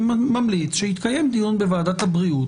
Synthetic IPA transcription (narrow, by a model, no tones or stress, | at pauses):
mamlit͡sʃehit̪kaje̞md̪ijunbe̞vaːd̪at̪habʁiu